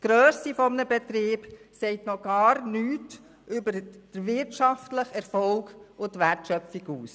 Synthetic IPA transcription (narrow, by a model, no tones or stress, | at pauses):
sɡ̥ɾøːsifɔmnəbɛt̪ɾiːb̥sɛɪtnɔɡ̥ɑːɾnyːt | ʔʏbəɾd̥əɾvɪɾtʃɑftləχɛɾfɔlɡʊntʋærtʃœfiɡuːs